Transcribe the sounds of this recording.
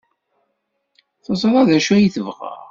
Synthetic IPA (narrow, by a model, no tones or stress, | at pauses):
θəzˤɾˤɑðæʃæjiθəvʁə̰ʁ